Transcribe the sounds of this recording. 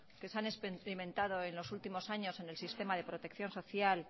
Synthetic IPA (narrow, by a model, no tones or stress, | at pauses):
ke̞seanespɾimẽ̞nt̪að̞o̞e̞nlo̞sult̪imo̞saɲo̞se̞ne̞lsist̪e̞maðe̞pɾo̞t̪e̞k̚θjo̞nso̞θjal